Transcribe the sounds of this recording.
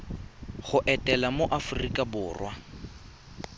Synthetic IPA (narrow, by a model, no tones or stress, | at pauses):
χʊʔɛtʼɛlamoʔafʊrikʼabʊːrwa